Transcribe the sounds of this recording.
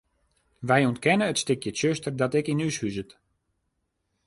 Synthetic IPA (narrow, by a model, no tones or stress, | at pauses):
ʋɛjontkɛnəətstɪkjətsøstərdɔtɪkinyshyzət